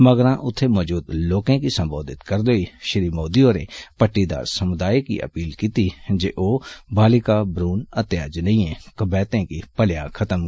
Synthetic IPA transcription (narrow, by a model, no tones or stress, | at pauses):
məɡɾãːʔʊt̪ʰːemɔːd͡ʒuːd̪loːkẽkisə̃mboːd̪ɪt̪kəɾd̪oːiʃɪɾiːmoːd̪iõɾḛpəʈːid̪a̰ːɾsəmʊd̪aːikḭʔə̰piːlkit̪id͡ʒḛːʔoːbʱaːlɪkaːbɾuːnət̪jaːd͡ʒnə̃ĩẽkəbɛːt̪ẽkipəljãkʰət̪əm